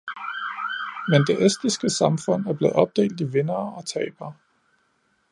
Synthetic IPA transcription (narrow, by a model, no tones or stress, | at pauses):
mend̥e̝ʔesd̥ʁisɡ̥əsɑ̈mfɔ̽n̰æɐb̥le̝ð̩ˠɒ̽b̥̚d̥e̝̰ːld̥iʋe̝nɐːɒ̽t͡sʰɛ̰ːɪb̥ɐː